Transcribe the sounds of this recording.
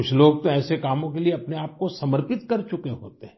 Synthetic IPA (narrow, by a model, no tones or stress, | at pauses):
kʊt͡ʃʰloːɡ̚t̪oɛːsekaːmõkelieɐpneaːp̚kosɐməɾpɪt̪kɐɾt͡ʃʊkeɦo̰ːt̪eɦɛ̃